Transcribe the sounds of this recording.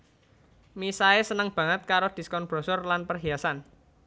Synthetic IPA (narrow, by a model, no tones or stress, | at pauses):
misaesənəŋb̥ä̤ŋət̪̚kaɾod̪̥i̤skɔnb̥ɾɔsɔrlanpərɦiasan